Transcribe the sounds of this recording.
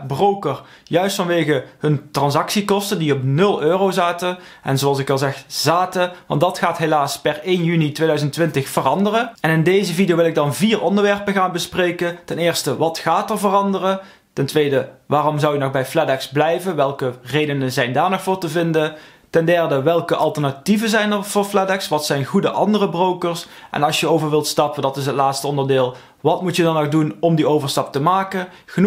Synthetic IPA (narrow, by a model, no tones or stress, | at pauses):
browkər | jœɥstfɑnʋejɣəhɵntrɑnzɑksikɔstəndiɔpnɵlˠøːrowzaːtəʔɛ̰nzoɑlˠsɪkɑlˠzɛxz̥aːtəʋɑ̰ntdɑtxaːtɦejlaːspɛrejnjynitʋeːjdœɥzəntːʋɪntəxfərɑndərəʔɛnɪndejzəvidijowʋɪlˠɪɡ̚dɑnviːrʔɔndəɹʋɛɹpəɣaːnbəsprejkətɛnɪːɹstəʋɑtxaːtəɹvərɑndərə | tɛntʋejdəʋaːrɔmzɑwjənɔxbɛjflɛdɛksblɛjvənʋɛlˠkərejdənəzɛjndaːɹnɔxvʊːɹtəvɪndə | tɛndɛɹdəʋɛlˠkəʔɑlˠtəɹnativənzɛjnəɹvʊːɹflɛdɛksʋɑtsɛjnɣudəʔɑndərəbrowkəɹs | ʔɛ̰nɑlˠʃjəowvəɹʋɪlˠtstɑpədɑtɪs̬ɦətlaːtstəɔndəɹdɪːlˠ | ʋɑtmutjədɑnɔxdunɔmdiowvəɹstɑp̚təmaːkəxən